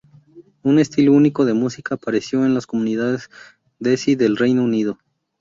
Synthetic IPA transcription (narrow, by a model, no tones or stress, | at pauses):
une̞st̪ilouniko̞ðe̞musikaːpaɾe̞sjo̞e̞nlasko̞mũniðaðez | d̪esiðe̞lre̞jnounið̞o̞